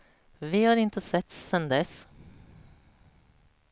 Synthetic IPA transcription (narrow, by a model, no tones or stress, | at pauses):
vɪhɑːɾɪnt̪əsɛt̪sːɛnd̪ɛs